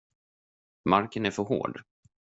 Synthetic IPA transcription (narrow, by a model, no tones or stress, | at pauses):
maɾkənæɾfœɾɦo̰ːɖ